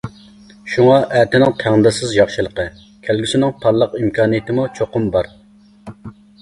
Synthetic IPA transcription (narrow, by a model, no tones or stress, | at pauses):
ʃuŋɑʔæt̪ɪnɪŋt̪ʰæŋnɨd̪ɪsɪzjɑχʃɨlˠəqə | kʲʰælɡʲysɪnɪŋp̪ʰɑɾlˠəqimkʰɑːnijɪt̪ʰɪmut͡ʃʰoqʊmbɑɾ